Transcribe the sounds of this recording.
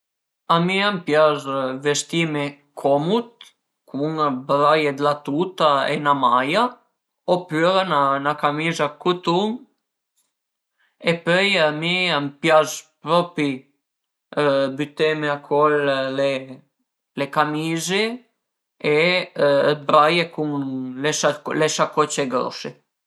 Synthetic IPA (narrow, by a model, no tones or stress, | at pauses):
amiampjazvɛst̪imɛ | kʰɔmut̪̚ | kuŋabɾajɛd̪lat̪ut̪aɛ̰namaja | ɔpyɾananakamizakut̪um | ɛpœjamiampjazpɾɔpi | byt̪ɛmɛakʰɔllɛ | lɛkamizɛ | ɛ | əbɾajɛkumlɛʃalɛʃakɔt͡ʃɛɡɾɔ̰ʃɛ